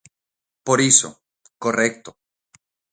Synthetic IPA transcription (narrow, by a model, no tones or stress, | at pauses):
poɾiso̰ | korek̚t̪o